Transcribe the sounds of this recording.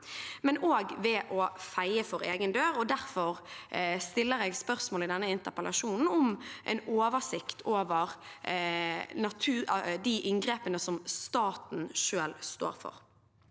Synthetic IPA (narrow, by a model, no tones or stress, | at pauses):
mɛnoːɡʋɛʔɔːfæɪəfɔʁḛːɡənd̪øːʁɔd̪æʁfɔʁst̪ɪlːəʁeːɡspœʁsmoːlɪd̪ɛnːəɪnt̪əʁpəlʔɑʃuːnn̩ɔmʔɛ̰noːʋəsɪkt̪ʰoːʋəʁ | nɑt̪ʰʉːd̪iʔɪŋɡʁeːpənəsɔmst̪ɑːt̪n̩ʃøːlst̪o̰ːɾfɔ̰ʁ